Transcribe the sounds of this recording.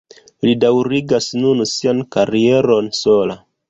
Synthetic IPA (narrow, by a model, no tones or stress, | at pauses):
lidawɾiɡasnunsiankaɾieɾo̞nsola